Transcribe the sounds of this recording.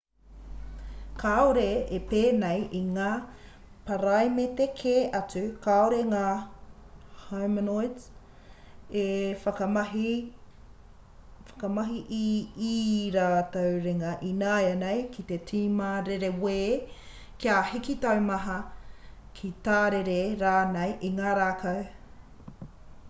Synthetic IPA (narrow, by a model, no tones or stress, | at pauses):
kʰaoɾeepeːnejiŋaː | pɐɾajmet̪ekʰeʔɐt͡sʉkaoɾeŋaː | hawmənojds | efɐkɐɐɦi | fɐ̥kɐmɐɦiʔiː | ɾaːt̪owɾeŋɐʔinaːjɐnejkʰit̪etʰiːmɐɾeɾeweː | kiahikit̪ɐwmɐɦɐ | kʰit̪aːɾeɾeɾaːnejʔiŋaːɾaːkʰɐw